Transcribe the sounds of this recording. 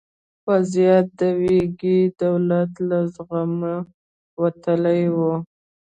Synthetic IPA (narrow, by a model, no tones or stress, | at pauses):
wazijat̪̚d̪əweɡid̪awlat̪lazɣamə | wat̪əlajwu